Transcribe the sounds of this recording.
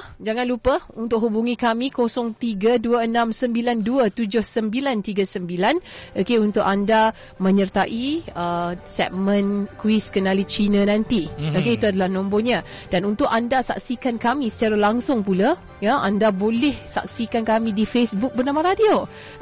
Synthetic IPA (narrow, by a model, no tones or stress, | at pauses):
d͡ʒaŋãnlupəunt̪ʊk̚ɦubuŋĩkamĩkosɔŋt̪iɡaduəənãmsəmbilanduət̪ud͡ʒʊhsəmbilant̪iɡəsəmbilanʔokeunt̪ʊʔanda | mə̃ɲərt̪aʔiəsɛ̰ʔ̚mə̃nkuwiskənalit͡ʃinə̃nant̪iokeit̪uadalahnɔ̃mbɔɲã | d̥anunt̪ʊʔandasa̰k̚sikankamisə̥t͡ʃaɾalaŋsʊŋpula | jaʔandabolɛhsa̰k̚sikankamĩdifesbuk̚bərnamaɾadio